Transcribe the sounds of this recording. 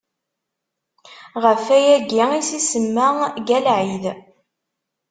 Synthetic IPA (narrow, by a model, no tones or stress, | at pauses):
ʁəfæjæɡiisisəmːaɡælʕið